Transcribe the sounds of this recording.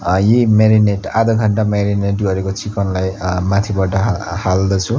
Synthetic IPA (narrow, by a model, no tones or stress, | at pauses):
jemeɾineʈad̪ʱʌkʰʌɳʈameɾineʈɡʱʌɾekot͡sikʌnlajmat̪ʰibʌʈʌhald̪ʌt͡sʰu